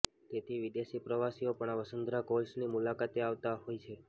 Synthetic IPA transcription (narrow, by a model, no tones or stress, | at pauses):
t̪et̪ʰiʋid̪eʃipɾəʋasiopəɳ̃aʋəsənd̪ɾakolsnimulakat̪eaʋt̪aɦojt͡ʃʰe